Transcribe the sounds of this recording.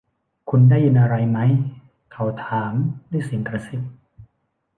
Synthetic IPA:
kʰu˧ndaː˥˩jɯ˧nʔa˧ɾa˧jma˦˥j | kʰa˧˩wt̪ʰaː˩˦mda˥˩˨si˨˩˦ŋkɾa˧si˨˩t̪̚

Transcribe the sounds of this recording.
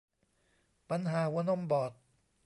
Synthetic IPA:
pa˧˦nɦaː˨˩˦wuː˧˦no˥˨mbɔː˨˩t̪̚

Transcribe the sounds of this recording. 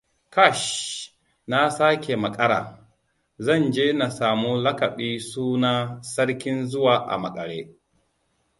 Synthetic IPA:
ka˦˨ʃ | na˦saː˦kʲe˨mɐ˨kʼɐ˦ɽa̰ː˨ | zɐ˦˨nd͡ʒeː˦na˨saː˨mu˦lɐ˦kɐ˨ɓiː˦suː˦naː˦sɐ˦ɽkʲɪ˦nzʊ˦waː˨ʔa̰˨mɐ˨kʼɐ˨ɽḛː˦

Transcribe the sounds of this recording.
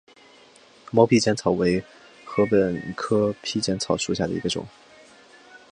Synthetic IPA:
mo˧˥ʊpʰi˥t͡ɕjɛ˥nt͡sʰɑ˨˩ʊwe˧˥ɪ | xɤ˧˥pə˨˩nkʰɤ˥pʰi˥t͡ɕjɛ˧˥nt͡sʰɑ˨˩ʊʂu˨˩ɕja˥˩d̪ə˩ḭ˧˥ɡə˧ʈ͡ʂʊ̰˨˩˦ŋ

